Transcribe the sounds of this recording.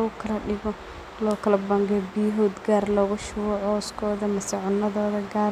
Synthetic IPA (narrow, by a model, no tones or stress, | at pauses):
ɣʊkʰɐlɐɖɪɣɔ | lɔːkʰɐlɐbɐŋɡbiːɦɔːd̪ɡaːrlɔːɣʊʃʊwɔʕɔːskʰɔːðɐmɐsɪʕʊnːɐðɔːðɐɡaː